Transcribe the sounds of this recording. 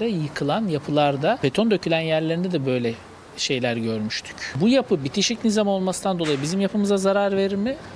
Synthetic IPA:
ɛjɯkʰɯlˠanjapʰɯlˠaɾd̪abe̞t̪ʰo̞nd̪ø̞cʰylʲænjæɾlʲe̞ɾind̪ɛd̪ɛbø̞jlʲɛ | ʃe̞jlʲæɾɟø̞ɾmyʃt̪ʰy̥cbujapʰɯbit̪ʰiʃicnizamao̞lˠmasɯnand̪olˠajɯbizimjapʰɯmɯzazaɾaɾve̞ɾiɾmɪ

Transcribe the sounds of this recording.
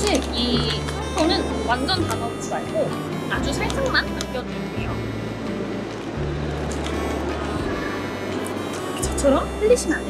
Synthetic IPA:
ɕʰiki | pʰonɯnwand͡ʑʌntaɡʌms͈iaɭɡo | ad͡ʑusʰaɭs͈ɯŋmannɯk͈jʌdɯndejo | t͡ɕʰʌt͡ɕʰʌɾʌmpɯʎːiɕʰiman

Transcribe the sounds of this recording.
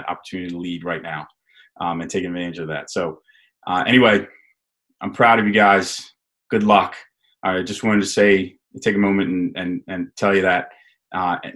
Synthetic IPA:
ɾɑ̰pə˞tʰʉnɨɾilid̚ɹaɪtⁿnaʊ | ʔʌ̃mɨ̃ntʰeɪkɨ̃nvɛ̃ñɨd͡ʒʌvðæ̰tsoʊ | ʔʌʔɛ̰ñiweɪ | ʔãɪ̃mpʰɹ̥aʊɾʌvjɨɡaɪz̥ | ɡ̥ʊdˡlʌk | ʔad͡ʒʌst̚wɑ̃ɾ̃ɪ̃ŋtʰɨseɪ | tʰeɪkɨmõʊ̃mɨ̃ntn̩ɨ̃nɨ̃ntʰɛlˠjɨðɨt̚ | ʔʌ̰

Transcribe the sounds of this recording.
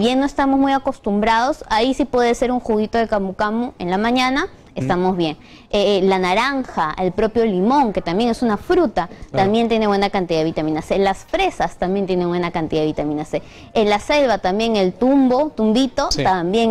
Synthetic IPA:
βje̞no̞est̪amo̞zmujako̞st̪umbɾað̞o̞saisipwe̞ðese̞ɾuŋxuɣit̪o̞ðekamukamue̞̰nlamãɲana | e̞st̪amo̞zβje̞ŋ | elanaɾaŋxaelpɾo̞pjo̞limo̞ŋke̞t̪ambje̞ŋe̞sunafɾut̪at̪ambje̞nt̪je̞ne̞βwe̞nakant̪iðaðeit̪amĩnaselasfɾe̞sast̪ambjent̪je̞ne̞ŋwe̞nakant̪iðaðeit̪amĩnase | elase̞lβat̪ambje̞ŋelt̪umbo̞t̪umbit̪o̞ambjeŋ

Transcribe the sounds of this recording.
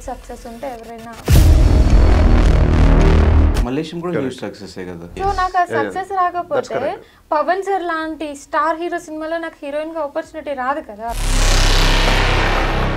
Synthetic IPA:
sɐksesuɳʈeɛʋɐɾɐnːɐ | mɐleːʃɐmkuːɽɐɦuːsɐkseseːɡɐ̰d̪ɐsoːnaːkɐsɐksesɾaːɡɐpoːe | pɐʋɐnsɐɾlaːɳʈisʈaːɾɦiːɾoːsinimaːlɐnaːkhiɾoinɡɐɔpɐɾt͡ʃuːniʈiɾaːd̪ɐkɐd̪a

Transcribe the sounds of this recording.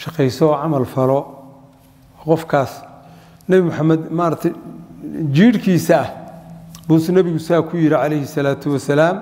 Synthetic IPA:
ʃɑqɛjsɔːʕɑmɐlfɐlɔ | qɔfkʰaːs | nɐβɪmʊħamːɐd̪maːɾɐt̪ʰɛj | d͡ʒiːɾkʰiːsɐɐh | busnɐβɪɣʊsaːkʰʊjɪɾɪʕɑlɛjhɪsɐlaːt̪ʰʊwɐsɐlaːm

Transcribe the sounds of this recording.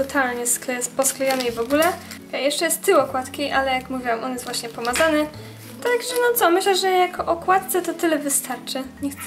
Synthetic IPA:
ɔt̪ʰalɲɛsklɛspɔsklɛjanɛivɔɡulɛ | ajɛʂt͡ʂɛjɛst̪ːɘwɔkwat̪kʲijʔalɛjakmuvʲiwɛmʔɔnjɛst̪vwaɕɲɛpɔmazanɘ | t̪aɡʐɛnɔt̪sɔmɘɕlɛʐɛjakʰɔʔɔkwat̪̚t̪sɛt̪ɔt̪ɘlɛvɘst̪aɾt͡ʂɘɲɛx

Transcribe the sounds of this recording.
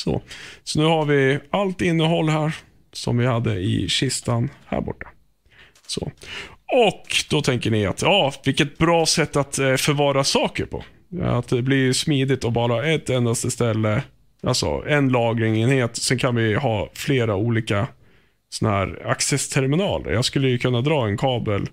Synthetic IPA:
sɔ̰sɔnʉ̟ːhaɾvɪalt̪ɪnːəɦɔlːɦæːɾ | sɔ̰mvɪhad̪ːəɪ̰ɕɪst̪anhæ̰ːɾbɔ̰ʈːḁ | sɔ̰ | ɔkd̪̥ɔt̪ʰɛŋkəɳɪa̰t̪jɑːvɪlkːət̪̚bɾɑːsɛt̪ːat̪fœɾvɑːɾasɑːkəɾpʰɔ̰ | a̰t̪d̪ɛblɪɾjsmiːd̪ɪt̪ːɔbɑːɾaaɛt̪ːɛnd̪ast̪əst̪ɛlːə | ʔa̰lsɔ̰ɛnlɑːɡɾɪŋeːnheːt̪sɛnkʰanvɪɦɑːfleːɾauːliːka | sɔnahæːɾaksɛst̪ʰɛɾmɪnɑ̰ːlə̰ɾjɑːɡskɵlːəjɵkʰɵnːad̪ɾɑːɛnkʰɑːbəl

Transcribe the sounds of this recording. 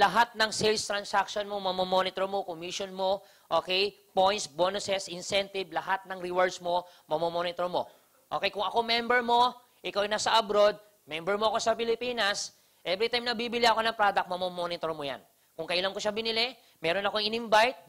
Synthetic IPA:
lɐɦat̪̚nɐŋsɛlst̪ɾɐnsakʃonmomɐmomonɪt̪oɹmo̞komiʃonmo̞ | ʔoːkɛj | pojnsbonʊsɛsʔɪnsɛnt̪ɪblɐɦat̪̚nɐŋɾiwaɹd̪smo̞mɐmomonɪt̪oɹmo̞̰ | ʔokɛjkʊŋɐko̞mɛmbɛɹmo̞ | ʔɪkawjnaːsɐʔɐbɾo̞d̪̚ | mɛmbɛɹmoɐko̞sɐpɪlɪpiːnɐs | ʔɛvɾɪt̪ajmnɐbiːbɪlɪʔɐko̞nɐŋpɾad̪ɐk̚mɐmomonɪt̪oɹmoja̰n | kʊŋkɐʔɪlɐŋkoʃɐbɪnɪlɛ | mɛːɾonɐko̞ŋɪnɪɱbajt̪̚

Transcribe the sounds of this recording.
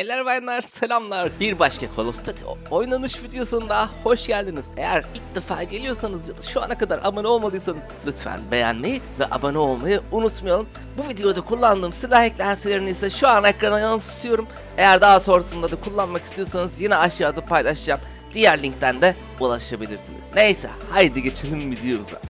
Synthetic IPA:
elʲæɾvajnːaɾselʲamlˠaɾbiɾbaʃkʰakʰolˠuft̪ʰat̪ḭojnanɯʃvid̪ejo̞sunud̪aɦaho̞ʃɟælʲd̪inize̞̰jæɾilʲc̚d̪efaːɟe̞lʲijo̞sanɯzjad̪aʃua̰nakʰad̪aɾʔa̰manɯo̞lˠmad̪ˠɯːsanɯzlʲyt̪fæ̰nbe̞jæ̰nme̞jivɛ̰ʔa̰banɯolˠmajɯunut̪mujalˠum | buvid̪ejo̞d̪akʰulˠːand̪ɯːmsilʲaːhɛclʲeænselʲeɾinizsɛʃuanaɛkɾanajalˠɯsɯ̥st̪ʰijo̞ɾum | e̞jæɾd̪aɦaso̞nɾasɯnd̪ad̪akʰulˠːanmaki̥st̪ʰijo̞sanɯzjinɛaʃjaːd̪apʰajlˠaʃd͡ʒam | d̪̥ijæɾlʲiɲc̚t̪ʰænd̪ɛ | ulˠaʃabilʲiɾsinḭz̥nejsɛ̰hajd̪iɟet͡ʃʰilʲimvid̪ejo̞uza̰

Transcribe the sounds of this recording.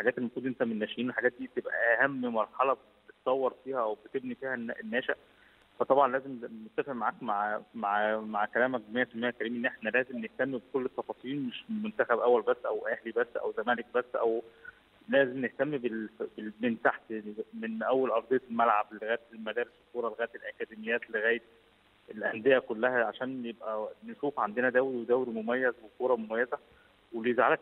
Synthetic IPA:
ħaɡæːt̪ʔelːmækuːd̪ʔent̪æmenːæːʃʔiːnwelħaɡæːt̪̚d̪iːt̪ebʔæ̰ʔʔæhæmːmɑɾˤħɑlɑb | bet̪sˤɑwːɑɾˤfiːhæʔæwbet̪ebnifiːhænʔenːæːʃæʔ | fæt̪ˤɑbʕɑnlæːzemnet̪ːæfeʔmaʕaːkmaʕmaʕmaʕkælæːmædæmːejːæt̪æmːejːækæɾiːmæʔenːʔeħnælæːzemneht̪æmːibekolːet̪ːɑfɑːsˤiːnmeʃmont̪æxæbʔæwːælbæsːʔæ̰wʔæhlibæsːʔæ̰wzæmæːlek̚bæsːʔæw | læːzemneht̪æmːibelbelbent̪aħt̪menʔæwːælʔɑɾˤd̪ˤejɑt̪elmælʕablːeɣæːjet̪emæd̪æːɾeseskːuːɾˤɑleɣæːjt̪elʔækæːd̪emejːæːt̪leɣæːjet̪̚ | elʔænd̪ejækolːæhæʕaʃæːnjebʔæneʃuːfʕand̪enæd̪æwɾiwed̪æwɾimomæjːæzbokoːɾˤɑmomæjːæzæ | welezʕalæk

